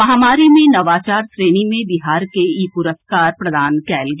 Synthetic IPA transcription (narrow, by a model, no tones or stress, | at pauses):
mɐɦaːmaːɾimẽnɐʋaːt͡ʃaːɾsɾeːnimẽbiɦaːɾkeiːpʊɾəskaːɾpɾɐd̪ʱaːnkɛːld͡ʒ